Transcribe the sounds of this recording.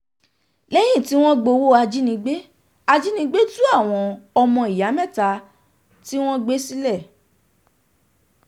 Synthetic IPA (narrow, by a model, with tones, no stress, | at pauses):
lɛ˦j̃ĩ˦˨ti˦w̃ɔ̃˦ɡ͡bo˧wo˦a˧d͡ʒi˦nĩ˧ɡ͡be˦ | a˧d͡ʒi˦nĩ˧˦ɡ͡be˦tũ˦a˦˨w̃ɔ̃˧ɔ˧mɔ̃˧i˨ja˨˦mɛ̃˦˨ta˧˦ | ti˦w̃ɔ̃˦ɡ͡be˦si˦lɛ˦˨